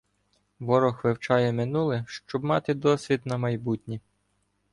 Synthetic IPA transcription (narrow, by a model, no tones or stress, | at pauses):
ʋɔɾɔxʋɪwt͡ʃɑjɛmɪnulˠɪʃt͡ʃɔbmɑt̪ɪd̪ɔsʲʋʲid̪nɐmɐjbutʲnʲi